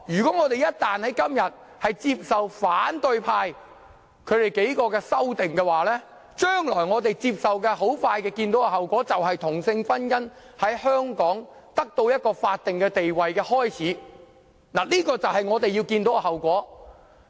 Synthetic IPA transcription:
jyː˨˩kɔ˨˥ŋɔː˨˧t̪e˨jɐ˦˥t̚t̪aː˨nhɐ˨˥jkɐ˥mjɐ˨t̚ | hɐ˨jt͡siː˧p̚sɐ˨wfaː˨˥nt̪ɵ˧ɥpʰaː˧j | kʰɵ˨˧t̪e˨jke˨˥jkɔː˧kɛː˧sɐ˥wt̪ɪ˨ŋkɛː˧waː˨lɛː˥ | t͡ʃœː˥ŋlɔː˨˩jŋɔː˨˧t̪e˨jt͡siː˧p̚sɐ˨wkɛː˧ɦo˨˥wfaː˧jkɛː˧kiː˧nt̪o˨˥wɐ˧ɦɐ˨wkʷɔː˨˥t͡sɐ˨wɦɐ˨jt̪ʰʊ˨˩ŋsɪ˧ŋfɐ˥njɐ˥n | hɐ˨˥jhœː˥ŋkɔː˨˥ŋt̪ɐ˥k̚t̪o˧wjɐ˥t̚kɔː˧faː˧t̚t̪ɪ˨ŋkɛː˧t̪e˨jwɐ˨jkɛː˧hɔː˥jt͡sʰiː˨˥ | naː˨˩liː˥kɔː˧t͡sɐ˨whɐ˨jŋɔː˨˧t̪e˨jiː˧wkiː˧nt̪o˨˥wɐ˧hɦɐ˨˩wkʷɔː˨˥

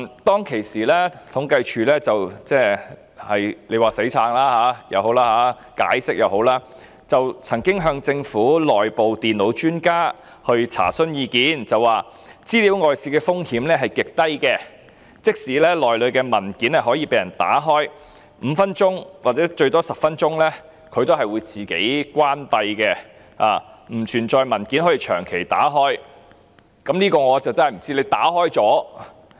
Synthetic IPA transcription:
t̪ɔː˥ŋkʰe˨˩jsiː˨˩lɛː˥t̪ʰʊ˨˥ŋkɐ˧jt͡ʃʰyː˨lɛː˥t͡sɐ˨wt͡sɛː˥ | hɐ˨jle˨˧jwaː˨se˨˥jt͡sʰaː˨˧ŋlaː˥haː˨˧˥jɐ̰˨˧who˨˥wlaː˥ɦaː˨˥ | ka̰ː˨˥jsɪ˥k̚jɐ˨˧who˨˥wlaː˥ | t͡sɐ˨wt͡sʰɐ˨˩ŋkɪ˥ŋɦœː˧ŋt͡sɪ˧ŋfuː˨˥lɔː˨jpo˨wt̪iː˨˩nlo˨˧˥wt͡ʃyː˥nkaː˥ | hɵ˧ɥt͡sʰa̰ː˨˩sɵ˥njiː˨˧kiː˨˥nt͡sɐ˨waː˨˧ | t͡siː˥liː˨˥wŋɔː˨jsiː˧kɛː˧fʊ˥ŋhiː˨˥mlɛː˥ɦɐ˨jkɪ˨k̚t̪ɐ˥jkɛː˧ | t͡sɪ˥k̚siː˨˥lɛː˥lɔː˨jlɵ˨˧ɥkɛː˧mɐ˨˩nkiː˨˥nɐ˨˩ɦɔː˨˥jiː˧pe˨˧jɐ˨˩nt̪a̰ː˨˥ɦɔː˥j | m̩˨˧fɐ˥nt͡ʃʊ˥ŋwa˨t̚t͡sɛː˨˥t͡ʃɵ˧ɥt̪ɔː˥sɐ˨p̚fɐ˥nt͡ʃʊ˥ŋlɛː˥ | kʰɵ˧ɥt̪o˥ɦɐ˨jwuː˨˧jt͡siː˨˩ke˨˥jkʷaː˥npɐ˧jkɛː˧ | a̰ː˨˩m̩˨˩t͡ʃʰyː˨˩nt͡ʃɔː˧jmɐ˨˩nki˨˥nhɔː˨˥jiː˧t͡ʃʰœː˨˩ŋkʰe˨˩jt̪a̰ː˨˥ɦɔː˥j | kɐ˨˥mniː˥kɔː˧ŋɔː˨˧t͡sɐ˨˩wt͡sɐ˥nhɐ˨˩m̩˨˩t͡siː˥le˨˧t̪aː˨˥ɦɔː˥jt͡sɔː˨˥

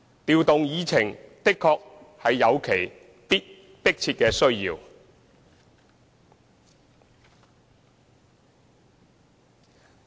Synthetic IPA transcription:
t̪iː˨˧wt̪ʊ˨ŋjiː˨˧t͡sʰɪ˨˩ŋt̪ɪ˥kʰːɔː˧k̚ | hɐ˨jːɐ˨˧wkʰe˨˩j | pi˥t̚ | pɪ˥k̚t͡sʰiː˧t̚kɛː˧sɵ˥ɥjiː˧w

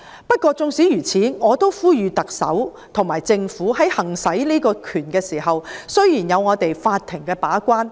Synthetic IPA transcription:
pɐ˥t̚kʷɔː˧t͡sʊ˧ŋsiː˨˥jyː˨˩t͡sʰiː˨˥ŋɔː˨˧t̪o˥wfuː˥jyː˨˧t̪ɐ˨k̚sɐ̰˨˥w | t̪ʰʊ˨˩ŋmaː˨˩jt͡sɪ˧ŋfuː˨˥ɦɐ˨˥jhɐ˨˩ŋsɐ˨˥jliː˥kɔː˧kʰyː˨˩nkɛː˧siː˨˩hɐ˨wsɵ˥ɥjiː˨˩njɐ˨˧wŋɔː˨˧t̪e˨jfaː˧t̪ʰːɪ˨˩ŋkɛː˧paː˨˥kʷaː˥n

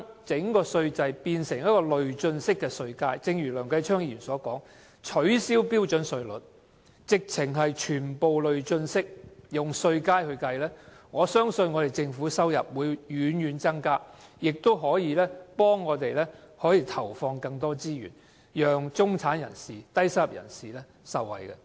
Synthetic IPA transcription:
t͡sɪ˨˥ŋkɔː˧sɵ˧ɥt͡sɐ˧jpiː˧nsɪ˨˩ŋjɐ˥t̚kɔː˧lɵ˨ɥt͡sɵ˧nsɪ˥kːɛː˧sɵ˧ɥkaː˥jt͡sɪ˧ŋjyː˨˩lœː˨˩ŋkɐ˧jt͡ʃʰœː˥ŋjiː˨˩nsɔː˨˥kɔ̰ː˨˥ŋ | t͡ʃʰɵ˨˥ɥsiː˥wpiː˥wt͡ʃɵ˨˥nsɵ˧ɥlɵ̰˨t̚ | t͡sɪ˨k̚t͡sʰɪ˨˩ŋɦɐ˨jt͡ʃʰyː˨˩npo˨wlɵ˨ɥt͡sɵ˧nsɪ˥k̚jʊ˨ŋsɵ˧ɥkaː˥jhɵ˧kɐ˧jlɛː˥ | ŋɔː˨˧sœː˥ŋsɵ˧nŋɔ˨˧t̪e˨˩jt͡sɪ˧ŋfuː˨˥sɐ˥wjɐ̰˨p̚wuː˨˧jjyː˨˧˥njyː˨˥nt͡sɐ˥ŋkaː˥jɪ˨k̚t̪o˥wɦɔː˨˥jiː˨˧lɛː˥pɔː˥ŋːɔː˨˧t̪e˨jlɛː˥ | hɔː˨˥jiː˨˧˩t̪ʰɐ˨˩wfɔː˧ŋkɐ˧ŋt̪ɔː˥t͡siː˥jy̰ː˨˩n | jœː˨ŋt͡sʊ˥ŋt͡sʰaː˨˥njɐ̰˨˩nsiː˨t̪ɐ˥jsɐ˥jɐ˨p̚jɐ̰˨˩nsiː˨˩lɛː˥ | sɐ˨˩wwɐ̰˨jkɛ̰˧

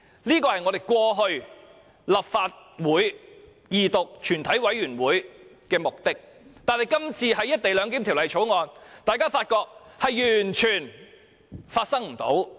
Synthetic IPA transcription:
liː˥kɔː˧hɐ˨jŋɔː˨˧ɾe˨˩jkwɔː˧ɦɵ˧ɥ | lɐ˨p̚faː˧t̚wuː˨˥j | jiː˨t̪ʊ˨k̚t͡ʃʰyː˨˩nt̪ʰɐ˨˥jwɐ˨˥jyː˨˩nwuː˨˥j | kɛː˧mʊ˨k̚t̪ɪ˥k̚ | t̪aː˨nhɐ˨jkɐ˥mt͡sʰiː˧ɦɐ˨˥jɐ˥t̚t̪e˨jlœː˨˧ŋk̬iː˨˥mt̪ʰi˨˩wlɐ˨˩jt͡ʃʰo˨˥wŋɔː˧nt̪aː˨˩jkaː˥faː˧t̚kɔː˧k̚hɐ˨jjyː˨˩nt͡ʃʰyː˨˩n | faː˧t̚sɐ˥ŋm̩˨˩t̪o̰˨˥w

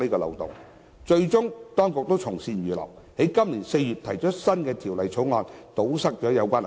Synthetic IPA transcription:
iː˥kɔː˧lɐ̰˨wt̪ʊ̰˨˩ŋ | t͡ʃɵ˧ɥt͡sʊ˥ŋt̪ɔː˥ŋkʊ˨k̚t̪o˥wt͡sʰʊ˨˩ŋsiː˧nɥyː˨lɐ̰˨˩w | he˨˥jkɐ˥mliː˨˩nse˧jyː˨t̚t̪ʰɐ˨˩jt͡ʃɔː˨˥sɐ˥nkɛː˧t̪ʰiː˨˩wlɐ˨jt͡ʃʰo˨˥ŋɔː˨˧nt̪o˨˥wsɐ˥k̚t͡ʃɔː˨˥jɐ˨˧wkʷaː˥n˨

